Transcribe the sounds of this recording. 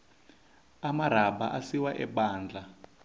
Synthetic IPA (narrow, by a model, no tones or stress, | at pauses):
amaɾ̤aba̰ʔasiwaʔɛɓaːnd͡ɮa